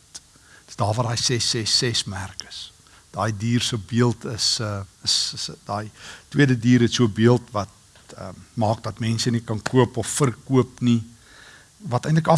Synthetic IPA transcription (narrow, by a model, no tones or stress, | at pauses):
əsdɑːrvɐtdɑːjsɛsɛsɛsmærkə̥s | d̥ɑːjdiːrsuəbiəlˠtʰəsəəsdɑːjtwiədədiːɾətsuəbiəlˠtvɐt̚ | ə̰mɑːk̚dɐtmɛnsənikɐnkuəpɔfːərkuəpni | vɐtəjntləkɐ